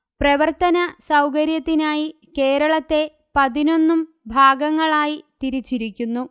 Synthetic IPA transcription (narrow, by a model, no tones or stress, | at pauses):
prɐʋɐrt̪ɐnɐsɐwkɐɾjɐt̪ːinaːji | ke̞ːɾɐɭɐt̪ːe̞ | pɐðino̞nːum | bʱaːɡɐŋːɐɭaːjit̪iɾit͡ɕːiɾikʲːunːu